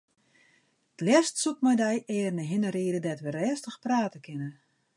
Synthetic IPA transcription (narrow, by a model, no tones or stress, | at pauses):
tlɛstsut̚mɔjdɛjɛːrnəɦɪnəɾiədədɛtʋərɛːstəxpraːtəkʰɪnə